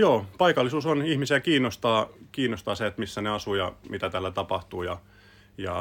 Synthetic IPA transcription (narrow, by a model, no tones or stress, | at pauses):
joːpɑikɑlːisuːsonihmisiækiːnːost̪ɑːkiːnːost̪ɑːseet̪misːæneɑsujɑ̰mit̪æt̪æːlːæt̪ɑpɑht̪uːjɑ̰ | jɑ̰